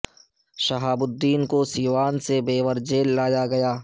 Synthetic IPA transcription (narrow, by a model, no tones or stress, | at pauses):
ʃɐɦaːbʊd̪ːiːnkosiːʋaːnsebeːʋəɾd͡ʒeːlːaːjaɡɐjaː